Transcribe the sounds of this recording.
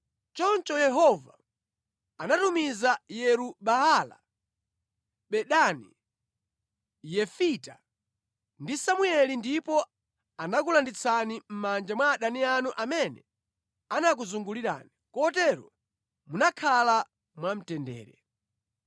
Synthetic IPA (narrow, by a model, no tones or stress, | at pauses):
t͡ʃɔnt͡ʃɔjɛɦɔva̰ | anatumizajɛɾuɓaala̰ | ɓɛɗanḭ | jɛfita | ndisamuɛlindipɔ | anak̬ulandit͡sʰanim̩mand͡ʒamwaːɗanianuʔamɛnɛ̰ | anak̬uzuŋɡuliɾa̰ːnikɔtɛɾɔ | munakʰala | mwam̩tɛndɛ̰ːɾɛ̰